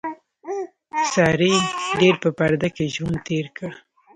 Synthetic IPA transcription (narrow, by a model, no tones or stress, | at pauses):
sɑɾiɖeɾpəpaɾd̪akeʒwant̪eɾkə